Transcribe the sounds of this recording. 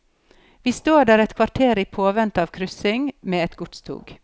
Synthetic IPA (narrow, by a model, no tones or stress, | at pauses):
ʋiːst̪oːɖæːɾɛt̪kʰʋɑɾʈʰeːɾiːpʰoːʋɛnt̪ɑːʋkʰɾʏsɪŋmeːɛt̪ɡʊʈ̪st̪ʰṵːɡ